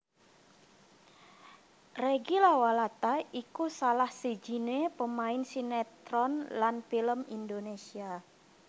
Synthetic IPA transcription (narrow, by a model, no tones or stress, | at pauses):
reɡilawalat̪aikusalahsed͡ʒinepəmaɪnsinɛt̪ɾɔnlanfiləmindonesia